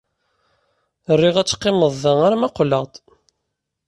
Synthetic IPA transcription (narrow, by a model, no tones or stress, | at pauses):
ərːiʁæt͡sːqːeməðˤːəŋaɾmæqləʁt̪ˤ